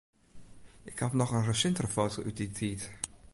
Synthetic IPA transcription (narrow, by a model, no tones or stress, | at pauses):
ʔɪkhɑpnɔχənrəsɪntərəfowtoʔyt̚ditʰiːt